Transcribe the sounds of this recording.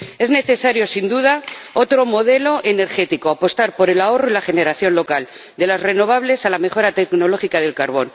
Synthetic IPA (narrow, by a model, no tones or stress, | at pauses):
e̞zne̞θe̞saɾjo̞sind̪uð̞ao̞t̪ɾo̞mo̞ðe̞lo̞ʔe̞ne̞ɾχe̞t̪ikoapo̞st̪aɾpo̞ɾe̞lao̞ro̞ilaχe̞ne̞ɾaθjo̞nlo̞kal | d̪e̞lazre̞no̞β̞aβle̞salame̞xo̞ɾat̪e̞kno̞lo̞xikað̞e̞lkaɾβ̞o̞n